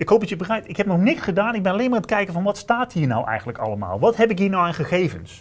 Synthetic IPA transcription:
ɪkɦowp̚dɑtjəbərɛjtɪkɦɛp̚nɔχnɪksχədaːnɪɡ̚bɛnɑlejnmaːɹət̚kɛjkəvɑnʋɑtstaːtɦiːɹnɔ̰wʔɛ̰jχənləkɑ̰lˠəma̰ːlˠʋɑtɦɛpɪkɦiːɹnawaːnχəχejvəns

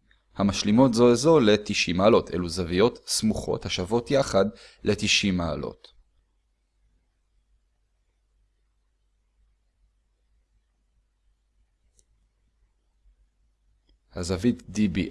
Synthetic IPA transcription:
hamaʃlimo̞tzo̞ezo̞le̞t̪iʃimaːlo̞tʰʔe̞̰luzavijo̞t̪smuχo̞̰thaʃavo̞tjaχad | le̞t̪iʃimaːlo̞̰t | hazavitdibi

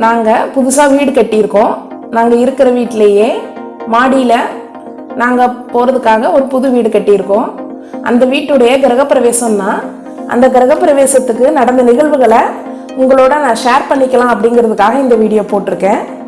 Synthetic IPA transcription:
naːŋɡɐpʊðʊsaːʋiːɽɯkɐʈːɪjɪɾɯkːõː | naːŋɡɐɪɾɯkːɪɾɐʋiːʈːɪlejeː | maːɽɪjɪlɐ | naːŋɡɐpoːɾɐðɯkːaːɣɐɔɾɯpʊðɯʋiːɽɯkɐʈːɪjɪɾɯkːõː | ʔɐ̰nd̪ɐʋiːʈːɯɽɐjɐɡɪɾɐɣɐpːɪɾɐʋeːsɐmnaː | ʔɐ̰nd̪ɐɡɪɾɐɣɐpːɪɾɐʋeːsɐt̪ːɯkːɯnɐɽɐnd̪ɐnɪɣɐɭʋɯɣɐɭɐ | ʊŋɡɐɭoːɽɐnãːʂeːɾpɐɳːɪkːɐlãːɐpːɐɽɪŋɡɪɾɐðɯkːaːɣɐɪnd̪ɐʋiːɽɪjoːpoːʈːɪɾɯkːẽː

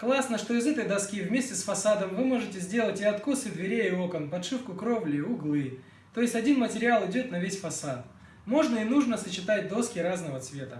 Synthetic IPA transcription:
klˠasnəʂt̪o̞ɪzɛt̪əjd̪ɐskʲivmʲesʲtʲɪsfɐsad̪əmvɨmo̞ʐɨtʲɪzʲdʲe̞lˠətʲɪɐt̪kosɨd̪vʲɪɾʲejɪokənpɐt̪ʂɨfkʊkɾovlʲɪʊɡlˠɨ | t̪ːo̞jɪsʲtʲɐdʲinmətʲɪɾʲɪalˠɪdʲot̪nɐvʲesʲfɐsat̪ | mo̞ʐnəɪnuʐnəsət͡ɕɪt̪at̚ʲd̪o̞skʲɪɾaznəvət̪svʲe̞t̪ə

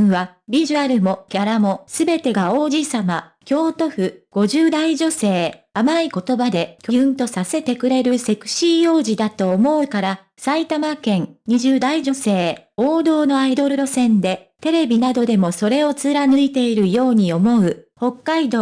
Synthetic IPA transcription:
βabʲiʑɯaɾɯ̟mo̞kʲaɾamo̞sɨbe̞t̪e̞ɡao̞ːʑiːsamakʲo̞ːt̪o̞ɸɯ̟ɡ̥o̞ʑɨːd̪aiʑo̞se̞ː | amaiko̞t̪o̞bad̪e̞kʲojɯ̟̃nt̪o̞sase̞t̪e̞kɯ̟ɾe̞ɾɯ̟se̞kɯ̟̥ɕijo̞ːʑid̪at̪o̞ːmo̞ɯ̟kaɾa | sait̪amakẽ̞ŋɲ̟iʑɨːd̪aiʑo̞se̞ːoːd̪o̞ːno̞aid̪o̞ɾɯ̟ɾo̞sẽ̞nd̪e̞t̪e̞ɾe̞bʲinad̪o̞d̪e̞mo̞so̞ɾe̞o̞t͡sɨɾanɨit̪e̞iɾɯ̟jo̞ːɲ̟io̞mo̞ɯ̟ho̞kːaid̪oː

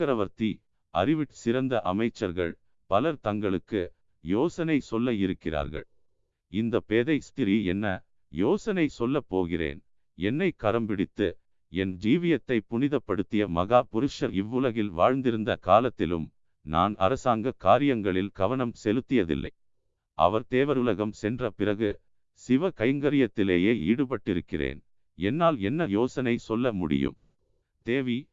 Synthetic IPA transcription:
ɐɾɐʋɐɾt̪i | ɐ̰ɾɪʋɪʈsɪɾɐnd̪ɐʔɐmɐɪt͡ʃːɐɾɣɐ̰ɭ | pɐlɐɾt̪ɐŋɡɐɭɯkːɯ | joːsɐnɐɪsɔlːɐɪɾɯkːɪra̰ːɾɣɐ̰ɭ | ɪnd̪ɐpeːðɐɪst̪ɪɾiɛ̰nːɐ | joːsɐnɐɪsɔlːɐpːoːɣɪrḛːn | ɛnːɐɪkːɐɾɐmbɪɽɪt̪ːɯ | ɛnd͡ʒiːʋɪjɐt̪ːɐɪpːʊnɪðɐpːɐɽɯt̪ːɪjɐmɐɣaːpʊɾɯʂɐɾɪʋːɯlɐɣɪlʋa̰ːɻnd̪ɪɾɯnd̪ɐkaːlɐt̪ːɪlɯ̰m | na̰ːnɐ̰ɾɐsaːŋɡɐkaːɾɪjɐŋɡɐɭɪlɡ̥ɐʋɐnɐmsɛlɯt̪ːɪjɐðɪ̰lːɐ̰ɪ | ʔɐ̰ʋɐɾt̪eːʋɐɾʊlɐɣɐmsɛndrɐpɪrɐɣɯ | sɪʋɐkɐɪŋɡɐɾɪjɐt̪ːɪleːjeːiːɽɯpɐʈːɪɾɯkːɪrḛːn | ɛnːaːlɛnːɐjoːsɐnɐɪsɔlːɐmʊ̰ɽɪ̰jɯ̰m | t̪eːʋi

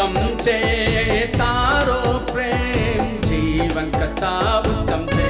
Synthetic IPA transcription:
ɐmt͡ʃeːt̪aːɾopɾeːmd͡ʒiːʋɐnkɐt̪aːʋut̪ːɐmt͡ʃe

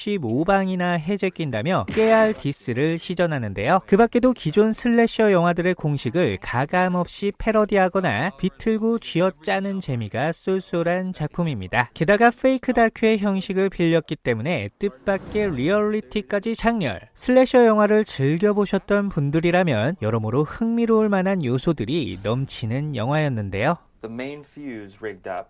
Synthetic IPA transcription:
ɕ͈ibobaŋinaɦe̞d͡ʑe̞k͈inda̰mjʌk͈e̞aɭtis͈ɯɾɯɭɕʰid͡ʑʌnɦanɯnde̞jokɯbak͈e̞dokid͡ʑonsʰɯɭːe̞ɕ͈ʰʌjʌŋɦwadɯɾe̞koŋɕʰiɡɯɭkaɡamʌp̚ɕ͈ipʰe̞ɾʌdiɦaɡʌna̰pitʰɯɭɡot͡ɕiʌt͡ɕ͈anɯnt͡ɕe̞miɡas͈uɭs͈uɾɦant͡ɕak̚pʰumimɲidake̞daɡafʰeikʰɯdakʰue̞çjʌŋɕʰiɡɯɭpiʎːʌt̚k͈it͈e̞mune̞t͈ɯp̚p͈ak̚k͈e̞ɾiʌɭitʰik͈ad͡ʑit͡ɕaŋɲʌ̰ɭsʰɯɭːe̞ɕʰʌjʌŋɦwaɾɯɭt͡ɕɯɭɡjʌboɕʰʌt͈̚ʌnpundɯɾiɾamjʌnjʌɾʌmɯɾohɯŋmiɾoɭmananjosʰodɯɾinʌmt͡ɕʰinɯnjʌŋɦwajʌnːɯnde̞jo | ðəmẽɪ̃nsiʉzɹɛɡ̚dʌ̰p̚

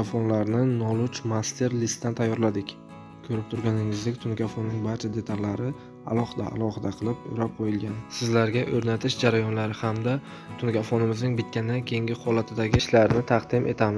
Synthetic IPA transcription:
fonlaɾnɪnɒlˠʊt͡ʃmast̪ʰe̞ɾlist̪ːant̪ʰajːɒɾlad̪ɪkʲ | kʰɵɾɪp̚t̪ʰʊɾɡʲanɪŋɪzd̪ɪkʲt̪ʰʊnkʲafonːɪŋbaɾt͡ʃʰad̪e̞t̪ʰallːaɾɪ | a̰lˠɒhɨd̪a̰a̰lˠɒhɨd̪aqʰɨlˠɪpʊ̰ɾap̚qʰojɪlɡʲansɪzlaɾɡʲaʔɵɾnat̪ʰɪʃd͡ʒaɾajɒnlaɾɪhamd̪a | t̪ʰʊnkʲafonɪmɪznɪŋbɪt̪̚kʲand̪akʲʰeŋɡʲɪhɒlat̪ʰɪd̪aɡʲɪʃlaɾnɪt̪ʰɑqd̪̥ɪmʔe̞̰t̪ʰamɪz

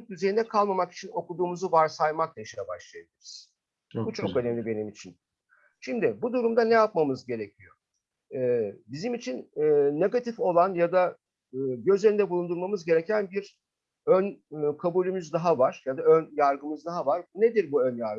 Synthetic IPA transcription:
k̚d̪yzejinɛkʰalˠmamaki̥t͡ʃʰino̞kud̪uːmuzuvaɾsajmak̚d̪aʃejabaʃlˠajabilʲiɾiz̥ | but͡ʃʰokønɛmlʲibe̞nimit͡ʃʰin | ʃimd̪ɪbud̪uɾumd̪anejap̚mamɯzɟe̞ɾe̞cʰijo̞ | ɛːbizimit͡ʃʰinːne̞ɡat̪ʰifo̞lˠanjad̪a | ɯːɟø̞zlʲeɾind̪ɛbulˠund̪uɾmamɯzɟe̞ɾe̞cʰænbiɾ | ønkʰabuːlʲymyzd̪aɦavaɾ̥jad̪aønjaɾɡɯmɯzd̪aɦavaɾbned̪iɾbuønjaɾ

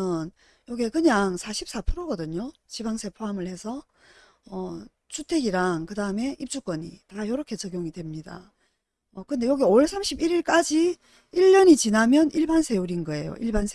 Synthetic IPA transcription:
ɯn | jʌɡekɯɲaŋsʰaɕʰip̚s͈apʰɯɾoɡʌdɯɲot͡ɕibaŋsʰe̞pʰoamɯɭhe̞sʰʌ | ʌ | t͡ɕʰutʰe̞ɡiɾaŋkɯdaɯme̞ʔip̚t͡ɕ͈uk͈wʌɲḭtajʌɾʌkʰe̞t͡ɕʌɡjoŋidwe̞mɲida̰ | ʌkɯnde̞jʌɡeoɭsʰamɕʰibiɾiɭk͈ad͡ʑi | iʎːʌɲit͡ɕinamjʌniɭbansʰe̞uɾinɡʌe̞jo̰ʔiɭbansʰ

